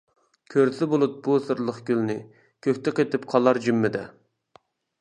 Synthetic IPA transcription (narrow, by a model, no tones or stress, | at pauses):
kʲʰøɾsɪbolˠup̚busɨɾlˠəχɡʲylnɪ | kʲʰøkʲt̪ʰɛqet̪ɪp̚qʰɑlˠɑɾd͡ʒymːɪd̪ɛ